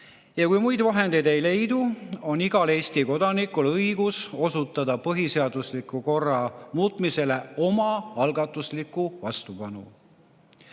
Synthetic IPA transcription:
jɑkujmujd̪vɑɦe̞nd̪ejd̪e̞jle̞jd̪uo̞niɡ̥ɑle̞ːst̪iko̞d̪̥ɑnikːˑulɤjɡ̥uso̞sut̪ːˑɑd̪̥ɑpɤɦise̞ɑd̪̥uslikːˑuko̞rːɑmuːt̪ˑmise̞le̞o̞mɑɑlɡɑt̪ːˑuslikːˑuvɑst̪upɑnṵ

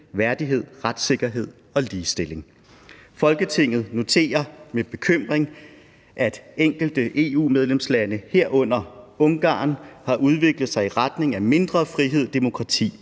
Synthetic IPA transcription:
ʋæɐd̥iɦe̝ð̞̰ˠʁad̥se̝ɡ̥ɐɦe̝ð̰ˠ | ɒ̽liːsd̥e̝le̝ŋ | fɒ̽lɡ̥ət͡sʰe̝ŋ̰ð̩ˠno̝t͡sʰe̝̰ːɐmeb̥e̝kʰøm̰ʁeŋ | ʔæd̥eŋ̰ɡ̥l̩d̥əʔe̝ːṵːmeð̞ˠlemslænəhe̝ɐ̰ɔ̽n̰ɐɔ̽ŋɡ̥ɑ̰̈ːnhɑ̈ʔuð̞ˠʋe̝ɡ̥ləð̞̩ˠsɑ̈ɪiʁad̥ne̝ŋæme̝nd̥ʁɐfʁiɦe̝ð̰ˠd̥e̝mo̝kʰʁɑ̈t͡sʰḭː

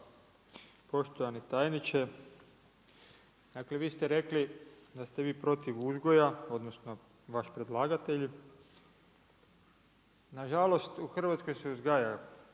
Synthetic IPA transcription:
po̞ʃt̪ojanit̪aːjnit͡ʃe | d̪̥akleʋiːst̪eɾe̞klid̪ast̪eʋiːpɾo̞t̪iʋuzɡo̞jao̞d̪no̞sno̞ | ʋaʃpɾed̪lˠaːɡat̪eʎ | naʒalo̞st̪uxr̩ʋat̪sko̞jseuzɡaja

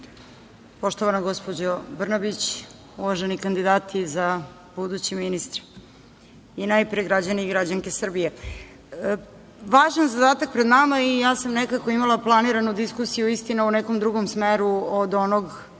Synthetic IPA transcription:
poʃt̪oʋanaɡo̞spod͡ʑobr̩nabit͡ɕ | uʋaʒenikand̪id̪aːt̪ʰiza | b̥ud̪ut͡ɕiminist̪ɾ | inajpɾijeɡɾad͡ʑaniɡɾad͡ʑaŋke̞sr̩bije | ʋaːʒanzad̪aːt̪ak̚pɾed̪namaijaːsamnekako̞imalˠaplˠaniɾanud̪iskusijuist̪inauneko̞md̪ɾuɡomsmeɾuod̪o̞noɡ

